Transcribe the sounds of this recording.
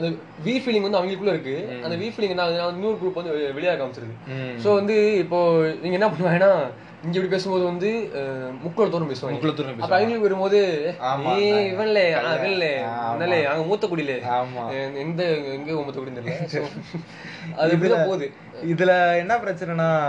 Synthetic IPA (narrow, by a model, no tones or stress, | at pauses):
ɐnd̪ɐ | ʋiːfilɪ̃ŋɡʋɐnd̪ɯɐʋɐŋɡɐɭkːɯɭːɐɪɾɯkːɯɐnd̪ɐʋiːfilɪ̃ŋɡɛnːaːnaːʋɐnɯnuːɾkʊɻɯpːɐnd̪ɯʋɛɭɪjaːɾkːaːɐmt͡ʃːɪɾɐðɯsoːʋɐnd̪ɯɪpːoːniːŋɡɐɛnːɐp̬ɐɳːɯʋãːŋɐnːaː | nĩːɡɐɛpɐɽip̬eːsɯmpoːðɯʋɐnd̪ɯmʊkːɭɐɭɐt̪ːuːɾpeːsɯʋãːŋkːɭɐt̪ːuːɾeːɐpːɐ̃ɐɐŋɡɐɭkːʋɐɾɯmpoːðɯĩɪʋɐnɪlːeaːãɪʋɐnɪlːɛnːɐleaːŋɡɐmuːt̪ːɐk̬uːɽɪleaːmaɛnd̪ɐɛŋɡeːɔmːɐt̪ːɐkːuːɽɪnd̪ɐns | ɐðpːit̪ãːpoːðɯ | ɪðɪlɐɛnːɐpɪɾɐt͡ʃːɐɾɐnaː